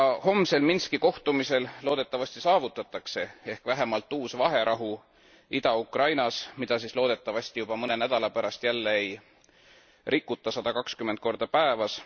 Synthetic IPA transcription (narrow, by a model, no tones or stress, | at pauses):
jɑho̞mse̞lminskiko̞ht̪umise̞llo̞ːd̪et̪ːˑɑvɑsʲt̪isɑːvut̪ːˑɑt̪ːˑɑkse̞e̞hkvæɦe̞mɑlt̪ˑːuːsvɑɦe̞ɾʔɑɦu | id̪̥ɑukrɑjnɑsmid̪̥ɑsislo̞ːd̪e̞t̪ːˑɑvɑsʲt̪ijub̥ɑmɤne̞næd̪̥ɑlɑpæɾɑst̪jælːeej | rʔikːut̪ːˑɑsɑd̪̥ɑkɑkskymːent̪̚ko̞rd̪̥ɑpæevɑs